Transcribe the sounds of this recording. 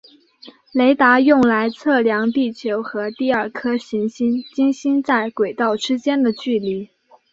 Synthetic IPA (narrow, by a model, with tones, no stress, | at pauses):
le˧˥ɪt̪a˧˥jʊ˥˩ŋla˧˥ɪt͡sʰɤ˥˩ljɑ˧˥ŋt̪i˥˩t͡ɕʰjo˧˥ʊxɤ˧˥t̪i˥˧ɐ˞˥˩kʰɤ˥ɕi˧˥ŋɕi˥nt͡ɕi˥ŋɕi˥nt͡sa˥˩ɪkwe˨˩ɪt̪ɑ˥˩ʊʈ͡ʂɻ̩˥t͡ɕjɛ˥nd̪ə˨t͡ɕy˥˩li˧˩